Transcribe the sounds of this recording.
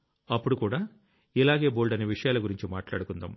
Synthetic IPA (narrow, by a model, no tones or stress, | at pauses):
ɐpːuɽukuːɽaː | ilaːɡe̞ːboːlɖɐneːʋiʂɐjaːlɐɡuɾiɲt͡ʃimaːʈlaːɽukund̪a̰ːm